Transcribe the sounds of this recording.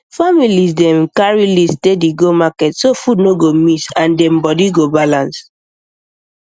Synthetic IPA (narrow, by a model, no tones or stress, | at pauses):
familisdɛ̃mkaɹilistediɡomakɛtsofudnoɡomitãndɛ̃mbɔdiɡobalãns